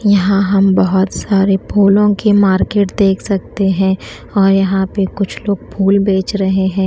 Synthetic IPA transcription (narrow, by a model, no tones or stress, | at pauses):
jɐɦãɦɐmbɐɦʊt̪saːɾepʰuːlõkemaːɾkeːʈd̪eːkʰsɐk̚t̪eɦɛ̃ː | ɔːɾjɐɦãpekʊt͡ʃʰloːɡ̚pʰuːlbeːt͡ʃɾɐɦeɦɛ̃ː